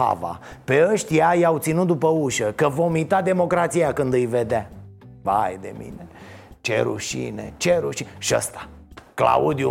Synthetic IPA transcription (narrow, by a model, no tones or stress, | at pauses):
a̰va̰pe̞əʃt̪ʲjajawt̪sinut̪̚d̪upəuʃəkəvo̞mit̪ad̪e̞mo̞kɾat̪sijakɨnd̪ɨjve̞d̪ea | vajd̪ḛmḭnet͡ʃḛɾṵʃḭnḛt͡ʃeɾuʃiʃiə̰st̪ḁ | kla̰ud̪iju